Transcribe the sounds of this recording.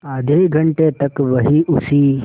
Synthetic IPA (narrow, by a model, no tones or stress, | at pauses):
əd̪ʱeiɡʱəɳʈet̪əkʋəɦiːʔusiː